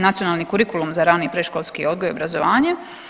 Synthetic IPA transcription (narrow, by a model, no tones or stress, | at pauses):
nat̪sijo̞naːlˠnikuɾikulˠumzaɾaːniːpɾeʃko̞lˠskio̞d̪̚ɡo̞jo̞bɾazoʋaːɲe